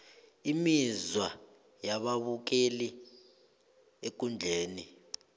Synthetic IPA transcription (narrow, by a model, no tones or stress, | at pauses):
imizwa | jaɓaβuk̬eli | ek̬und͡ɮʱeːni